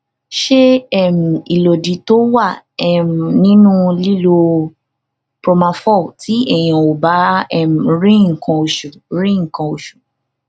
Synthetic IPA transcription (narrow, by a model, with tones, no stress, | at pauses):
ʃe˦ɛ˦˨mĩ˨i˨lo˨di˨˦to˦wa˦˨ | ɛ˨m̩˨nĩ˦nũ˦li˦lo˧ | pɾo˧mã˧fɔ˦˨ti˨˦ɛ˦˨j̃ã˨o˨ba˨˦ɛ˦˨m̩˨ɾĩ˦ŋ̩˨kã˧o˨ʃu˨ɾĩ˦ŋ̩˨kã˧o˧ʃu̥˨